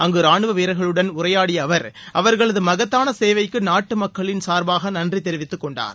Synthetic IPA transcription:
ɐŋɡɯɾaːɳɯʋɐʋeːɾɐɪɣɐɭɯɽɐnʊrɐjaːɽɪjɐʋɐɾɐ̰ʋɐɾɣɐɭɐðɯmɐɣɐt̪ːaːnɐseːʋɐɪkːɯnaːʈːɯmɐkːɐɭɪnsaːɾbaːɣɐnɐndrit̪ɛɾɪʋɪt̪ːɯkːɔɳɖa̰ːn

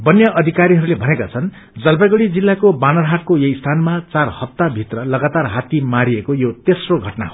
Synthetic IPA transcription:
bʌnjʌʔʌd̪ʱikaɾiɦʌɾulebʱʌnekat͡sʰʌn | d͡zʌlpaɡʌɽid͡zilːakobanʌrɦaʈ̚kojʌjst̪ʰanmat͡sarhʌp̚t̪ːabʱit̪rʌlʌɡat̪arɦat̪imaɾiekojot̪esroɡʱʌʈna̰ɦo

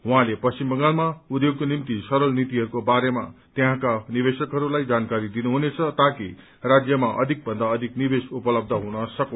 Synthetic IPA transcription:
ɦwuɦãlepʌst͡ɕimbʌŋalmaud̪joɡ̚konimt̪isʌɾʌlnit̪iɦʌɾukobaɾema̰t̪eɦãkanibesʌkɦʌɾulajd͡zankaɾid̪inuɦunet͡sʰʌt̪aki | rad͡zjʌmaʔʌ̰d̪ʱik̚bʱʌnd̪aʌd̪ʱiknibesupʌlʌb̚d̪ʱʌɦunʌsʌko

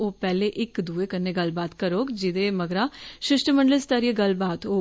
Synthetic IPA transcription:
oːpɛːleːʔɪkd̪uːeːkənːeːɡəlbaːt̪kəɾoːkd͡ʒɪd̪eːməɡɾaːʃɪʃʈəməɳɖəlst̪aɾijəɡəlbaːt̪ɦoː

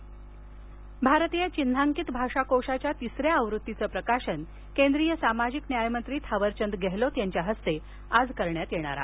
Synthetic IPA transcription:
bʱaɾt̪ijat͡ɕind̪ʱaŋkit̪bʱaʂakoʂat͡ɕjat̪isɾjaːʋɾut̪ːit͡səːpɾəkaɕən | kend̪ɾijəsamad͡ʑiknjajmənt̪ɾiːt̪ʰaʋəɾt͡ɕənd̪ɡeɦlot̪jaɲt͡ɕjaɦəst̪e | ad͡zkəɾɳjat̪jeɽ̃a̰ɾa̰

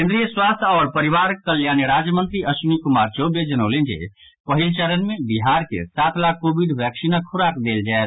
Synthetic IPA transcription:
kẽnd̪ɾijəswaːst̪ʰɔːɾpəɾiʋaɾək̚ːəljaːniɾaːd͡ʒjəmə̃nt̪ɾiʔəʃunikumaːɾt͡ʃoːbjed͡ʒənəʊlend͡ʒḛ | pəɦilt͡ʃəɾənmẽbiɦaːɾkḛsaːt̪ʰlaːkːoːbiɖʋjɛːksinakʰʊɾakd̪eːld͡ʒaːɛt̪

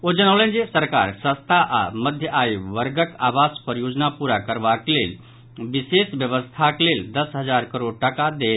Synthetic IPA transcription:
od͡ʒənaʋlẽnd͡ʒesəɾka̰ɾsə̃st̪ʰaʔa̰məd̪ʱjəʔaiʋəɾɡəkaʋaspəɾjod͡ʒnapuɾakəɾʋaklel | ʋisesʋjəʋəst̪ʰakleld̪əsɦəd͡zaɾkəɾoɽʈəkad̪e

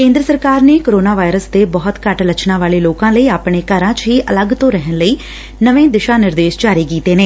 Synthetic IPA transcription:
kẽːnd̪ɾəsəɾkaːɾneːkoːɾoːnaːʋaːɪɾəsd̪eːbɔːt̪kəʈlət͡ʃʰnãːʋaːleːloːkãːləiːaːpɳeːkəɾãːt͡ʃɦiːʔələɡt̪õːɾɛɦənləiː | nəʋẽːd̪ɪʃaːnɪɾd̪eːʃd͡ʒaːɾiːkiːt̪eːneː

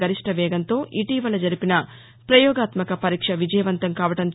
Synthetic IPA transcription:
ɐɾiʂʈʰɐʋɛːɡɐnt̪o̞ːʔiʈiːʋɐlːɐd͡ʒɐɾipinɐ | pɾɐjɔːɡaːt̪mɐkɐpɐɾiːkʂɐʋid͡ʒɐjɐʋɐnt̪ɐmkaːʋɐʈɐn

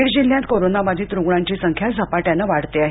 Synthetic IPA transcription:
iɾd͡ʑil̤jãnt̪̚koɾonabad̪ʱiːt̪ɾuɡɽãɲt͡ɕisəŋkʰjasəpaʈjãnəʋaɽt̪eaɦe

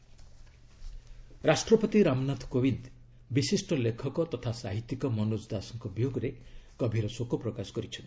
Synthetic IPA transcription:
ɾasʈɾɔpɔt̪iɾamnat̪ʰkobind̪ | bisisʈɔlekʰɔkɔt̪ɔt̪ʰasaɦit̪ːikɔmɔnosd̪asɔŋkɔbijoɡɔɾekɔbʱiɾɔsokupɾɔkasɔ̥kɔɾit͡ʃʰɔnt̪i

